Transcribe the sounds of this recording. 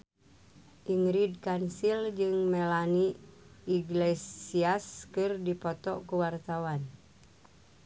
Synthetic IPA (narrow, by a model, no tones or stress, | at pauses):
ʔiŋɾid̚kansild͡ʒɨŋmɛlaniː | ɡlɛsiaskɨrdipɔt̪ɔkuwart̪awan